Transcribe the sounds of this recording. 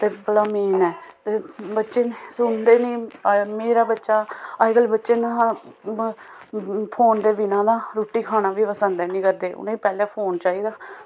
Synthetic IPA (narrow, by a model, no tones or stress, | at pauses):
t̪eːbəɽaːmeːnɛːt̪eːbətːʃeːsʊɳd̪eːnĩːmeːɾaːbətːʃaːəɡəlbətːʃeːnaː | pʰoːnd̪eːbɪnãːd̪aːɾoːʈːiːkʰaːnaːʋiːpəsənd̪ɛːnĩːkəɾd̪eːʔʊ̰nẽːiːpɛːleːpʰoːnt͡ʃaːiːd̪aː